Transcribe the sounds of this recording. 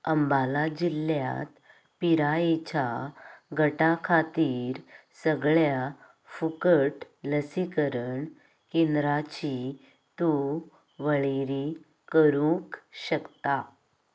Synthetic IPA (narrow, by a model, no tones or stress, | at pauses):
əmbalad͡ʑilːja̰t̪ | piɾaet͡ɕaɡʱəʈakʰat̪iːɾsəɡɭja | fukəʈ | ləsikəɾəɳ | kend̪ɾat͡ɕi | t̪u | ʋəɭeɾi | kəɾũkɕəkt̪a